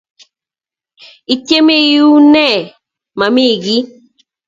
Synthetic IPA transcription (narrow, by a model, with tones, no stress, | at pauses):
i˨tje˦me˦ju˦nɛ˦˨ | ma˨mi˦˨ɡi˦